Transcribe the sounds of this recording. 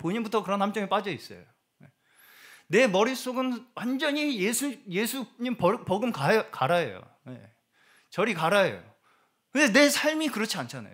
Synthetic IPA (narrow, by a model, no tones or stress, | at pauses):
poɲinbutʰʌkɯɾʌnhamt͡ɕ͈ʌŋip͈ad͡ʑʌis͈ʌ̰jo | je | ne̞mʌɾis͈oɡɯnwand͡ʑʌɲijesʰuje̞sʰuɲimpʌpʌɡɯmkakaɾajḛjo̰ | jḛ | t͡ɕʌɾikaɾaḛjo̰ | kɯndene̞sʰaɭmikɯɾʌt͡ɕʰiant͡ɕʰana̰jo